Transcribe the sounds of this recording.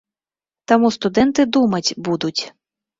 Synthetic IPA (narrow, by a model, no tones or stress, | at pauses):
t̪ɐmust̪ʊd̪ɛnt̪ɪd̪umɐtʲbud̪ʊtʲ